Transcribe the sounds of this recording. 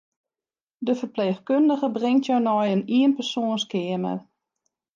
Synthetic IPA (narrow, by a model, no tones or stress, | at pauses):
dəfərpleːxkøndəɣəbrɪŋtʰjownɔjəniənpərsoənskɪəmə̰r